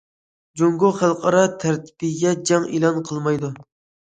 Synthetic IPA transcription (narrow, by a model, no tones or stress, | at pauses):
d͡ʒoŋɡuχælˠqʰɑɾɑt̪ʰæɾt̪ʰi̥bɪɡʲɛd͡ʒɑŋelˠɑnqʰəlˠmɑjd̪u